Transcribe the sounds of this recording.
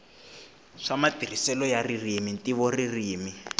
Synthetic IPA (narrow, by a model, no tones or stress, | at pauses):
ʂamatir̤isɛlɔjaririmintiβɔririːmi